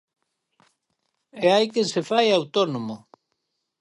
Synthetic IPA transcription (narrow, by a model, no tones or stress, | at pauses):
eajkesefajawt̪onomo